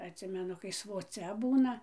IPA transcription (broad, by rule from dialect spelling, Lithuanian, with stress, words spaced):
ɐtʲˈsʲɪmʲɛnʊ kɐɪ sʋoːˈt͡sʲɛ ˈbuːnɐ